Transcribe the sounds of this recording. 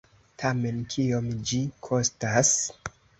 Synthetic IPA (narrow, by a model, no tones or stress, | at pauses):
tʰame̞nkʰiomd͡ʒikʰo̞stas